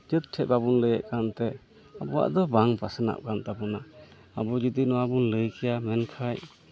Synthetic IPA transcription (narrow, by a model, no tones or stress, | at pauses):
d͡ʒət̪̚ʈʰɛbabunləjəʔkant̪ɛ | abɔwa̰ʔd̪ɔbaŋpasana̰ʔ̚kant̪apɔna | abɔd͡ʒid̪inɔwabunləjkɛjamɛnkʰaj